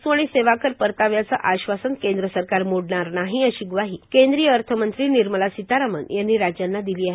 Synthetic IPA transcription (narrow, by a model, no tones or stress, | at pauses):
suaɽ̃iseʋakəɾpəɾt̪aʋjat͡səʔaɕʋasənkẽnd̪ɾəsəɾkaɾmoɽɳaɾnaɦiəɕiɡʋaɦiːkend̪ɾijəəɾt̪ʰəmənt̪ɾiːniɾməlasit̪aɾamənjanːiːɾad͡ʑjanːad̪iliːaɦe